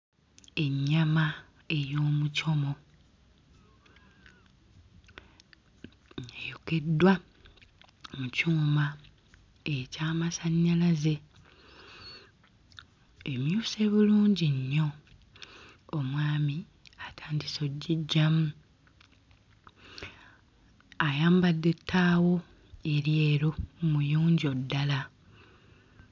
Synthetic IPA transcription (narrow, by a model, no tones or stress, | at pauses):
e̞ɲːama | e̞jo̞ːmuco̞mo̞ | ejoke̞dwa | mucuːma | ecaːmasaɲːalaze̞ | e̞mjuːse̞βuluːɲɟiɲːo̞ | omwaːmi | atʰaːndiso̞ɟːiɟːamu | ajaːmbadːe̞tʰːaːwo̞ | e̞ɾije̞ːɾomujuːɲɟio̞dːala